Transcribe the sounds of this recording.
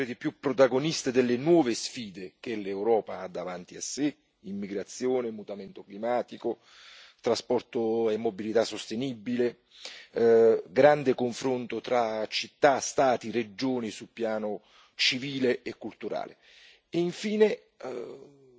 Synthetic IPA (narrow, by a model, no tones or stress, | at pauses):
ed̪ipjupːɾot̪aɡonist̪ed̪elːenwɔːvesfiːd̪ek̟elewɾɔːpaad̪ːavant̪iasːe | imːiɡɾat̪sːjoːnemut̪ament̪oklimaːt̪iko | t̪ɾaspɔrt̪oemːobilit̪asːost̪enibːile | ɡɾand̪ekoɱfɾont̪ot̪ɾat͡ʃit̪ːast̪aːt̪ired͡ʒoːnisulpjaːno | t͡ʃiviːleʔekːult̪uɾa̰ːlḛ | eiɱfiːne